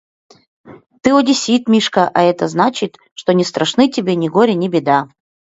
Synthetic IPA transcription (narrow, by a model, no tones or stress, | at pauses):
t̪ɨodʲɪsʲit̪mʲiʂkəʔɐɛt̪əznat͡ɕɪt̪ | ʂt̪onʲɪst̪ɾʔɐʂnɨtʲɪbʲenʲɪɡoɾʲɪnʲɪbʲɪd̪a